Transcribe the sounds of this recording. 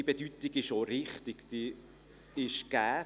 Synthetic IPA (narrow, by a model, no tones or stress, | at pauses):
ib̥ed̥ytɪɡ̥ɪʃoɾɪχt̪ɪɡ̥d̥iː | ɪʃɡ̥æː